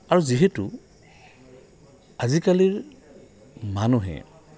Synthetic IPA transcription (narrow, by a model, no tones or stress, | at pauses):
aɹuziɦɛtʊ | azikaliɹ | manuɦɛ̰